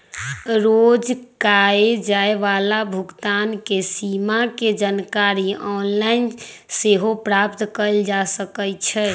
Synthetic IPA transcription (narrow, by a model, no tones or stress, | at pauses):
ɾod͡ʒkaed͡ʒaeʋalabʱuɡt̪ankesimaked͡ʒənkaɾiɔnlain | seɦopɾap̚t̪kəld͡ʒasəkət͡ʃʰɛ